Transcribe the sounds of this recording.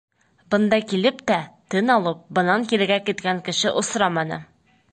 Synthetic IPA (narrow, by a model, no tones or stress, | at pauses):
bɤ̆nd̪ɑkilɘpt̪æt̪ɘnɒlˠɤp̚bɤ̆nɑnkiɾɘ̆ɡækit̪kæŋkɘ̆ʃɘʔŏsɾɑmɑnɤ̰